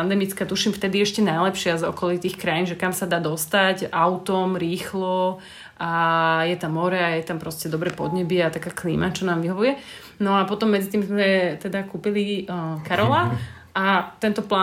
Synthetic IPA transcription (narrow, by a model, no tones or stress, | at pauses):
and̪ɛmit͡skaːt̪uʃimft̪ɛd̪iɛʃcɛnajlɛpʃɪazɔkɔlit̪iːxkɾajinʒɛkamsad̪aːd̪ɔst̪acaʊt̪ɔmɾiːxlɔ | ajɛt̪amːɔɾɛajɛt̪ampɾɔscɛd̪ɔbɾɛpɔd̪ɲɛbiat̪akaːklḭːmat͡ʃɔnaːmʋiɦɔʋujɛ | nɔapɔt̪ɔmːɛd͡zit̪iːmzmɛt̪ɛd̪akuːpilikaɾɔla | at̪ɛnt̪ɔpla